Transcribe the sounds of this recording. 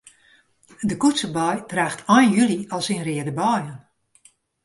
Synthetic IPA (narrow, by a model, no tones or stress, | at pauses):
dəkutsəbɔjtraːxtʰɔjnjyliɔlˠsinrɪədəbɔjən